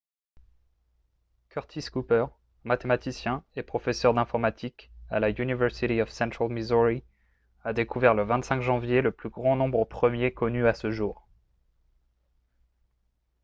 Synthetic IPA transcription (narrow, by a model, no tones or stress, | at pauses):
kʰœʁt̪ʰiskupœʁ | mat̪emat̪isjɛ̃epχɔfɛsœʁd̪ɛ̃fɔʁmat̪ʰikalaynivɛʁsit̪iɔfsɛ̃t̪χalmizuʁi | ad̪ekuvɛʁləvɛ̃t̪sɛ̃ŋkʒɑ̃vjeləplyɡʁɑ̃nɔ̃bʁəpχəmjekɔnyasəʒuːʁ